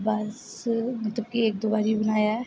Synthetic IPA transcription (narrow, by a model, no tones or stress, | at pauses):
bɐs | mət̪ləb̚kiek̚d̪oːbaːɾibənaːja